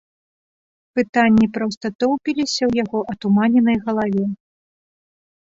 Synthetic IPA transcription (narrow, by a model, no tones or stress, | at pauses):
pɨt̪anʲːipɾɔwst̪ɐt̪ɔwpʲilʲisʲɐwjaɣɔʔɐt̪umanʲɛnɐjɣɐlˠavʲɛ